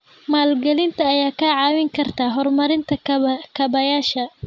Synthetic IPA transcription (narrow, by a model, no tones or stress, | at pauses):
maːlɡɐlɪnt̪ʰɐːjaːkʰaʕɑːwɪŋkʰɐrt̪ʰaːɦɔrmɐɾɪnt̪ʰɐkʰɐbɐjaːʃɐ